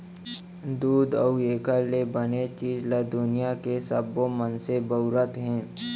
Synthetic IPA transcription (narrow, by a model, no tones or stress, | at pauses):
d̪uːd̪əueːkəlebənet͡ʃiːd͡ʒləd̪ʊnijakesəbomənsebəʊɾət̪ɦɛ̃ː